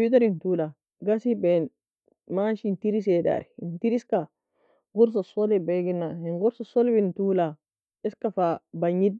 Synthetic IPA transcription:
it̪̬aɾintula | ɡasiben | maʃintiɾis̬eda̰ɾiintiɾiska | ɡuɾs̬asolebeɡinːaenɡuɾsasolibintula | iskafabaɲid̚

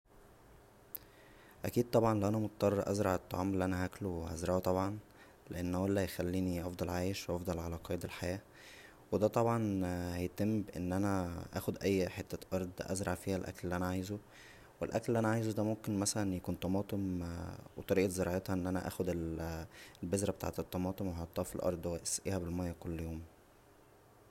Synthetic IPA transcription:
ʔækiːd̪̚t̪ˤɑbʕɑnlæʔænæmot̪̚t̪ːˤɑrˤːɑʔæ̰zɾˤɑʕet̪ˤːɑ̰ʕɑːmelːiʔænæhæklowehæzɾˤɑʔt̪ˤɑbʕɑn | leʔenːhæwælːæjxælːiːniʔɑfd̪ˤɑlʕaːjeʃwʔɑfd̪ˤɑlʕalæqɑːjed̪elħajæː | wed̪æːt̪ˤɑbʕɑnhæjet̪emːbeʔḛnːʔænæʔæ̰ːxod̪ʔæjːħet̪ːæʔɑɾˤd̪ˤʔæ̰zɾˤɑʕfiːhælʔæ̰kllːiʔænæʕajzo | welʔæklːʔænæʕaːjzod̪æmomkenmæsælænjækuːnt̪ˤɑmɑːt̪ˤemwet̪ˤɑɾiːʔet̪zeɾˤɑʕet̪hɑʔenːʔænæ̰ʔæ̰ːxod̪el | lbezɾæbet̪a̰ʕt̪et̪ˤːɑmɑːt̪ˤemweɦɑt̪ˤːɑːfilʔɑ̰ɾˤd̪ˤweʔesæʔiːhæbelmɑjːækolːjoːm

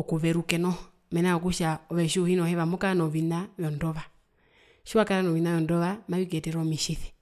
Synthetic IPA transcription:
ɔkuβɛɾukɛnɔ | mɛnaɔkuʃaɔβɛʃuhinɔhɛβamɔkaanɔβinaβjɔndɔβa | ʃiwakaɾanɔʋinajɔndɔβamaik̬ɛtɛɾɔmiʃiθi̥

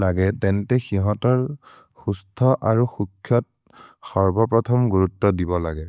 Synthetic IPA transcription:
laɡɛtɛntɛxiɦɔtɔɹ | xustʰɔʔaɹuxukʰjɔt̚ | xɔɹbɔpɹɔtʰɔmɡuɹutːɔdibɔla̰ɡɛ

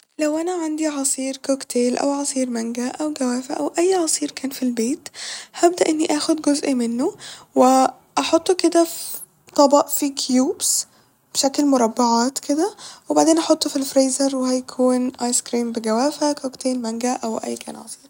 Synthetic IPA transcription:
læwʔænæʕand̪iʕɑsˤiːɾkokt̪eːlʔæ̰wʕɑsˤiːɾmæŋɡæʔæwɡæwæːfæʔæwʔæjːʕɑsˤiːɾkʰæːnfilbeːt̪hæb̚d̪æʔenːiʔæːxod̪ɡozʔimenːowe | ʔɑħot̪ˤːked̪æf | t̪ˤɑbɑʔfikʰjuːbs | b̥eʃæklmoɾˤɑbːɑʕɑːt̪ked̪æwebaʕd̪eːnʔɑħot̪ˤːfilfɾeːzɑɾˤwehæjkʰuːnʔɑjskɾiːmbeɡæwæːfækokt̪eːlmæŋɡæʔæwʔæ̰jːkæ̰ːnʕɑ̰sˤi̥ːɾ

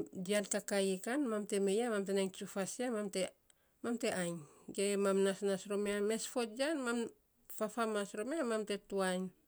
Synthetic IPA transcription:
dialtakajekanmamte̞mejamamtenajnt͡ʃufasiamamte | mamte̞ʔajnɡemamnasnasɾomeame̞sfo̞td͡ʒanmam | fafamasɾomeamamte̞tuajn

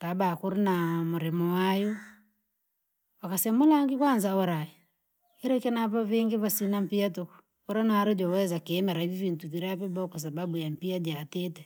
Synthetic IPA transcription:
tabakuɾinamuɾɛmɔwajɔ | wakasɛmulaŋɡikwanzaɔɾai | iɾɛkɛnaβaβiŋɡiβasinam̩piatɔku̥ | ɔɾanaaɾɛd͡ʒɔwɛzakɛːmɛɾaivivintuβiɾaβɛbaɔkwas̬ababujam̩piad͡ʒatɛtɛ

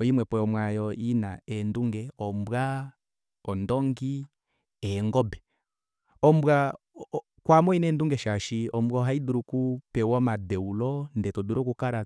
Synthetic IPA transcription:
ɔimwɛpɔɔmwajɔinaɛnduŋɡɛɔmbwa | ɔndɔŋɡi | ɛŋɡɔbɛ | ɔmbwa | kwamɔinɛnduŋɡɛʃaʃiɔmbwɔɦaiduɾukupɛwɔmadɛulɔndɛtɔduɾɔkukaɾa

